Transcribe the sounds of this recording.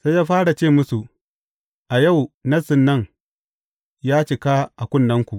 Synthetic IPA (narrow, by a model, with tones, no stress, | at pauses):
sa˦jaː˦ɸaː˦ɽa˨t͡ʃeː˦˨mʊ˦su˨ | ʔa˨ja˦˨wnɐ˦sɪ˨nːɐ˦ŋ | jaː˦t͡ʃɪ˨kaː˦ʔa˨kʷʊ˦nːɐ˦ŋkʷu˨ʔ